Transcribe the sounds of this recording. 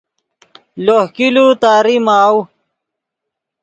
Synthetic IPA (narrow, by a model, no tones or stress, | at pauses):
lohkilut̪aːɾimaːw